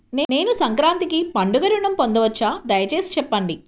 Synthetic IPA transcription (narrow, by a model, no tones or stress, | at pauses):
nene̞ːnusɐŋkɾaːnt̪ikipɐɳɖuɡɐɾuɳɐmpond̪ɐʋɐt͡ʃːaːd̪ɐjɐt͡ʃe̞ːsi̥t͡ʃɛpːɐɳɖi